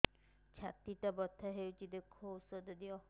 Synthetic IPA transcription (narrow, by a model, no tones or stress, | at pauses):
t͡ʃʰat̪iʈabɔt̪ʰːaɦewt͡ʃʰid̪ekʰousɔd̪ɔd̪iɔ